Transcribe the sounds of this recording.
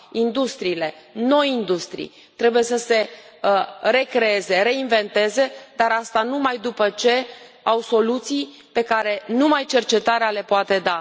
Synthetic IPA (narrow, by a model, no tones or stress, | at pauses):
ind̪ust̪ɾiːle̞ | no̞jind̪ust̪ɾḭj | t̪ɾe̞buje̞səse̞ | re̞kɾe̞e̞ze̞ɾe̞inve̞nt̪e̞ze̞d̪aɾast̪anumajd̪upət͡ʃe̞ | awso̞lut̪sij | pe̞kaɾe̞numajt͡ʃe̞rt͡ʃe̞t̪aɾeale̞poat̪e̞d̪a